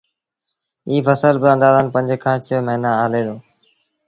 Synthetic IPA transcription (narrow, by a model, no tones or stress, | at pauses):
iːfəsəlbɪə̃nd̪aːzəːnpə̃ɲd͡ʒʱkʰãːt͡ʃʰɪməɦɪnãːaːlẽːd̪oː